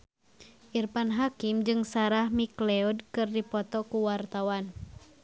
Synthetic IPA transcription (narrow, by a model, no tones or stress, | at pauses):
ʔirpanɦakimd͡ʒɨŋsaɾahmiklɛɔdkɨrdipɔt̪ɔkuwart̪awan